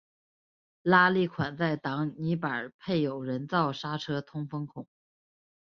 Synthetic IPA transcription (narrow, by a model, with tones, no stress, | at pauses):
la˥li˥˩kʰwa˨˩nt͡sa˥˩ɪt̪ɑ˧˥ŋni˧˥pə˞˨˩pʰe˥˩ɪjo˨˩ʊɻə˧˥nt͡sɑ˥˩ʊʂa˥ʈ͡ʂʰɤ˥t̪ʰʊ˥ŋfɤ˥ŋkʰʊ˨˩˦ŋ